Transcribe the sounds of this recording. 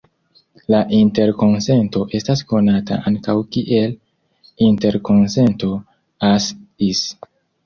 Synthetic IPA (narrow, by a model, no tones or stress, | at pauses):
laʔinte̞ɾko̞nse̞nto̞ʔe̞stasko̞nata̰ʔaŋkawkiʔe̞l | inte̞ɾko̞nse̞nto̞ | asis